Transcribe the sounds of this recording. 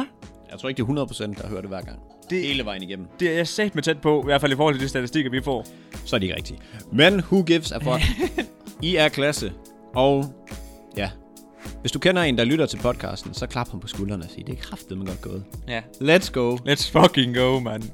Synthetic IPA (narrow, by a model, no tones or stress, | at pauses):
jɑ̈ɪt͡sʰo̰ɐeɡ̥̚de̝ɐɦunɐðˠpʰʁo̥sen̰d̥ːɑ̈høɐɾ̥e̝ʋæɐ̰ɡ̥ɑ̈ŋ̰ | d̥e̝eːləʋɑ̈ɪn̩iɡ̥em̰m̩d̥e̝ɐjæsɛd̥met͡sʰed̥̚pʰɒ̽iʋæɐd̥fælifɔːhɒlt͡se̝d̥isd̥æt͡sʰisd̥iɡ̥ɐʋifɒ̰ː | sɒ̽ɐd̥ɾee̝ɡ̥ʁɛ̰ɡ̥d̥imenhuɡ̥eʋsæɐfɒ | iæɐkʰlæsə | ʔɒʊ | jæ | ʋe̝sd̥ukʰenɐe̝ːnd̥ɑ̈lyɾ̥ɐt͡sʰe̝lpʰɒ̽d̥̚kʰɑ̰̈ːsd̥n̩sɒ̽kʰlɑ̈b̥hɑnpʰɒ̽sɡ̥ulɐnəæsḭːd̥e̝eɡ̥kʰʁɑ̈fðeð̩ˠmænɡ̥ɒ̽d̥̚ɡ̥ɔ̰ːð̩ˠled̥sɡ̥oʊled̥sfɒɡeŋɡ̥oʊmæn